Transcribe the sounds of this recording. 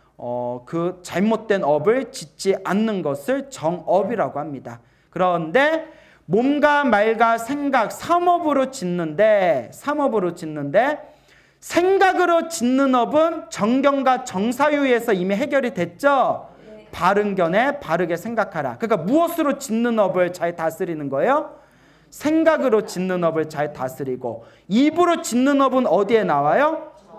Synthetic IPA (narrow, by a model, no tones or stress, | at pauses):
ʌ̰kɯt͡ɕaɭmot̚t͈we̞nʌbɯɭt͡ɕit̚t͡ɕ͈iʔanːɯnɡʌsʰɯɭt͡ɕʌŋʌbiɾaɡohamɲida̰ | kɯɾʌnde̞ | momɡamaɭɡasʰe̞ŋɡak̚sʰamʌbɯɾot͡ɕinːɯnde̞sʰamʌbɯɾot͡ɕinːɯnde̞ | sʰe̞ŋɡaɡɯɾot͡ɕinːɯnʌbɯnt͡ɕʌŋɡjʌŋɡwat͡ɕʌŋsʰajue̞sʰʌimiɦe̞ɡjʌɾidwe̞t̚t͡ɕ͈ʌ | paɾɯnɡjʌne̞paɾɯɡe̞sʰe̞ŋɡakʰaɾa̰kɯnik͈amuʌsʰɯɾot͡ɕinːɯnʌbɯɭt͡ɕaɭtas͈ʰɯɾinɯnɡʌejo | sʰe̞ŋɡaɡɯɾot͡ɕinːɯnʌbɯɭt͡ɕaɭtasʰɯɾiɡo̰ | ibɯɾot͡ɕinːɯnʌbɯnʌdie̞nawajo